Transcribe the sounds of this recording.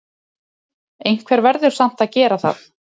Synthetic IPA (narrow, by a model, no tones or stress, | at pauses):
ejŋ̥kʰvɛɾvɛɾðʏɾ̥sam̥t̪aðcɛːɾaθa̰θ